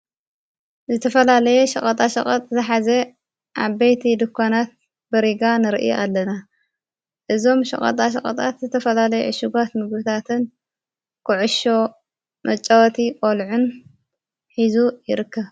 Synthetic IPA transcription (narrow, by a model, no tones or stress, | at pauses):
zɨt̪ʰɐfɐlalɐjeʃɐχʼɐt̪ʼaʃɐχʼɐt̪ʼzɨħaze | ʔaβbejt̪ʰid̪ɨkʰːonat̪̚ | bɨɾiɡanɨɾɨʔɨ̰j̰ʔalːɐna | ʔɨzo̞mʃɐ̰χʼɐ̰t̪ʼaʃɐkʼɐ̰t̪ʼat̪zɨt̪ʰɐfɐlalɐjɛʕɨʃuɡat̪mɨɡbɨt̪ʰat̪ʰɨn | kʰɨʕʊʃo̞ | mʔɐt͡ʃʼːɐwt̪ʰikʼolʕun | ħizujɪɾɨkːɐβ